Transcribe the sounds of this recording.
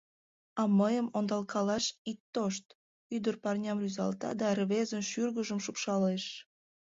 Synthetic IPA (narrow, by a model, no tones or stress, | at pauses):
ɑməjəmond̪ɑlkʰɑlɑʃit̪ːoʃt̪ | yd̪ərpɑrnʲɑmryzɑ̰lt̪ɑ̰d̪ɑrβezənʃyrɣəʒəmʃupʃɑleʃ